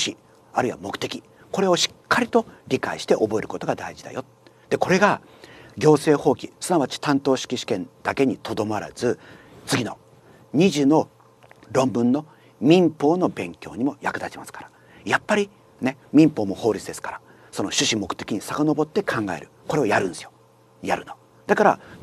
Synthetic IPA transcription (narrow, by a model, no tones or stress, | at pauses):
ɕɨ̥ɕi | aɾɯiβa̰mo̞kɯ̟̥t̪e̞kʲi | ko̞ɾe̞o̞ɕi̥kʰːaɾʲit̪oɾʲika̰iɕi̥t̪e̞ʔo̞bo̞e̞ɾɯ̟ko̞t̪o̞ɡad̪a̰iʑid̪a̰jo̞t̪ | d̪̥e̞ko̞ɾe̞ɡa | ɡʲo̞ːse̞ːho̞ːkʲisɨnaβat͡ɕi̥t̪ãnt̪oːɕi̥kʲiɕi̥kẽ̞nd̪̥ake̞ɲ̟it̪ʰo̞d̪o̞maɾa̰zɨ | t͡sɨɡʲino̞ | ɲ̟iʑɨːno̞ | ɾõ̞mbɯ̟̃nːo̞ | mʲĩmpo̞ːno̞bẽ̞ŋkʲo̞̰ːɲ̟imo̞jakɯ̟d̪at͡ɕimasɨ̥kḁɾa | japːaɾʲi | ne̞mʲĩmpo̞ːmo̞ho̞ːɾʲit͡sɨd̪e̞sɨ̥kḁɾa | so̞no̞ɕɨɕimo̞kɯ̥t̪e̞kʲiɲ̟isakano̞bo̞t̪ːe̞kʰãŋɡa̰e̞̰ɾɯ̟ko̞ɾe̞o̞jaɾɯ̟̃nsɨjo̞̥ | jaɾɯ̟no̞ | d̪akaɾa̰